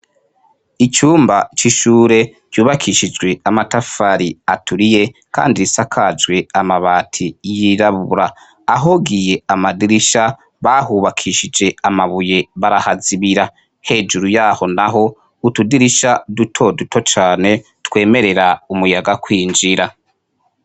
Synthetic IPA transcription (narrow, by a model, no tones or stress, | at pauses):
it͡ʃuːmbat͡ʃiʃuːɾe̞ | ɟ̥uːβakʰiʃid͡ʒɡwe̞amatafaɾiatuɾije̞ka̰ːndiisakʰad͡ʒwe̞amaβaːtʰijiɾaβuɾaː | ɦo̞ɡije̞amadiɾiʃa | βaɦuːβakʰiʃid͡ʒe̞amaβuje̞βaɾahaziβiɾa | he̞ːd͡ʒuɾujaːho̞naɦo̞ | utudiɾiʃadutʰo̞dutʰo̞t͡ʃaːne̞twe̞ːme̞ɾe̞ɾaumujaɡakwiːnd͡ʒiɾa